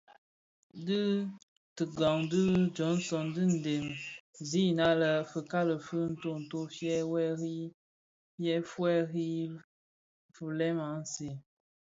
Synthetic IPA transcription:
dɨ˦ | tɨ˨ɡa˨ŋdɨ˦d͡ʒɔ˨˦n˦sɔ˨ndɨ˦n̩˨de˨mzi˦na˦lə˨fə˨ka˦lə˨fɨ˦n̩˦to˦˨n̩˨to˦fjɛ˦wɛ˦ɾi˦ | jɛ˦fwɛ˦ɣi˦ | fu˨lɛ˦ma˨˦n̩˦se˨

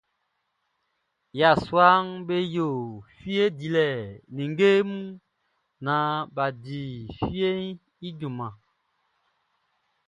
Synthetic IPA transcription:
ja˨swa˦ŋbe˦jo˨fi˦e˦di˨lɛ˨ni˨ŋ˦ɡe˦mu˦ | na˨˦ba˨di˨fi˦e˦n | i˦ɟu˨ma˨

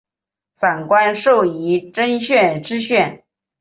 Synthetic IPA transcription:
sa˨˩nkwa˥nʂo˥˩ʊi˧˥ʈ͡ʂə˥nɕɥɛ˥˧nʈ͡ʂɻ̩˥ɕɥɛ˥˩n

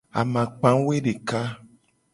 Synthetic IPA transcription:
a̰˨mã˨k͡pã˦we˦ɖe˨ka˦

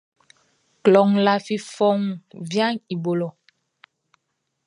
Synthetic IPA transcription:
klɔ˨ŋla˨fi˦fɔ˦ŋvja˦ŋi˨bo˨lɔ˨

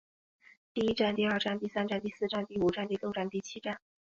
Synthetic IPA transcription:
t̪i˥˩i˥ʈ͡ʂa˥˧nt̪i˥˧ə˞˥˧ʈ͡ʂa˥˧nt̪i˥˩sa˥nʈ͡ʂa˥˧nt̪i˥˧sɹ̩˥˧ʈ͡ʂa˥˧nt̪i˥˩u˨˩ʈ͡ʂa˥˧nt̪i˥˧ljo˥˧ʊʈ͡ʂa˥˧nt̪i˥˩t͡ɕʰi˥ʈ͡ʂa˥˩n

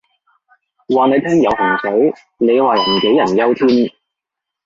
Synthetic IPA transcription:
waː˨ne˨˧jt̪ʰɛː˥ŋjɐ˨˧whɐ˨˩ŋsɐ˨˥w | ne˨˧jwaː˨j̩˨˩˨ke˨˥jɐ˨˩njɐ˥wt̪ʰyː˥n

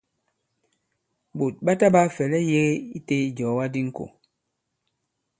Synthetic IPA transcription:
bo˨t̚ɓa˦ta˦ba˦fɛ˨lɛ˦je˦ɣi˦te˦i˨d͡ʒɔː˨˦wa˦di˦ŋ̩˦ko̰˨

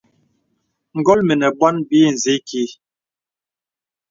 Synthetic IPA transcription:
ŋ̩˦ɡɔ˦lme˨nɛ˨bwa˦nbi˦˨n̩˨ze˦ki˨˦

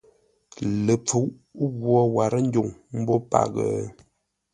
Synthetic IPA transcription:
lə˨p͡fu˨˦wʔ | ɣwɔ˦wa˨ɾə˦n̩˦do˨ŋm̩˦bo˦pa̰˨ɣə̰˨˦

